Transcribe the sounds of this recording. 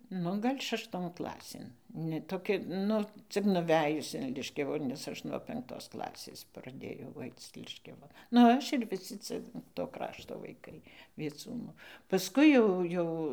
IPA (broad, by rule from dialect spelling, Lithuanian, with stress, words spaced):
ˈnʊ ˈɡɐlʲ ʃɐʃˈtoːn ˈklˠɑːsʲeːn nʲɛ toːˈkʲɛ ˈnʊ ˈt͡sʲɪk nʊˈʋʲæːjʊs ɪn ˈlʲɪʃʲkʲɛʋʊ nʲɛs ˈɐʃ nuɔ pʲɛŋkˈtoːs ˈklˠɑːsʲeːs prɐˈdʲeːjɛʊ ˈɐɪt͡s ˈlʲɪʃʲkʲɛʋɐ nʊ ˈɐʃ ɪr ʋʲɪˈsʲɪ ˈt͡sʲɛ toː ˈkrɑːʃtoː ʋɐɪˈkɐɪ ʋʲiɛˈt͡suːnuː pɐsˈkʊɪ jɛʊ ˈjɛʊ